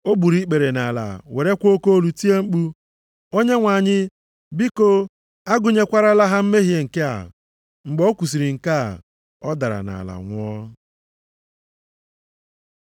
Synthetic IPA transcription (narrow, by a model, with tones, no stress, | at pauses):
o˦bu˨ɾi˦k͡pe˨ɾe˨na˨la̰˨we˨ɾe˦kʷo˦ko˦o˦lu˨ti˦e˦ŋ͡m̩˦k͡pu˦ | o˦ɲe˦ŋʷa˨ɲɪ˦ | bi˦ko˦ | a˦ɡʊ˨ɲe˦kʷa˦ɾa˦la˦ɦa˦m̩˦me˦ɦje˦ŋ̩˨ke˦a̰˨ | ŋ͡m̩˨ɡ͡bo˦kʷu˨s̬i˨ɾi˨ŋ̩˨ka˦˨ | ɔ˦da˨ɾa̰˨na̰˨la̰˨ŋʷʊ˦ɔ˦